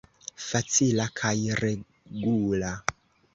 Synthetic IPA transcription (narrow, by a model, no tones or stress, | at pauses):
fat͡sʰilakʰaire | ɡuːla